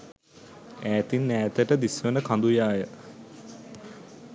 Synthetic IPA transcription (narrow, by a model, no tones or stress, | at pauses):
æːt̪inːæːt̪əʈəd̪isʋənəkʰand̪ujaːjə